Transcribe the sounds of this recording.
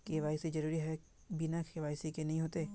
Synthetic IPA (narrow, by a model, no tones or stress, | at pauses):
keʋaːɪsid͡ʒɐɾuːɾiɦɛ | bɪnakʰeʋaːɪsikenɐɦĩɦoːt̪eː